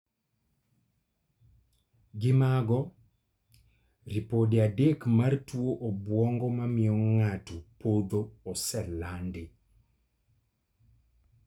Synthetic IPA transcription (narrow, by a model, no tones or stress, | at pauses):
ɡɪmaɡɔ | ɾipodeadekmartwoʔɔbwɔŋɡɔmamɪɔŋatupod̪oɔsɛlandɪ